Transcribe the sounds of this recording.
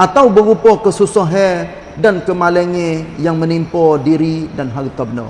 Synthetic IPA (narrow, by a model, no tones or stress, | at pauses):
ʔat̪awbəɾupɔkəsusoɦɛ | dankəmalɛŋejaŋmə̃nimpɔdiɾidanɦaɾit̪ɔb̚nɔ̰